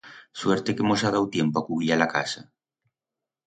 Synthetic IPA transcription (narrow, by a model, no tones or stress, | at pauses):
sweɾt̪ekemozað̞awt̪jempoakuβɾialaka̰sa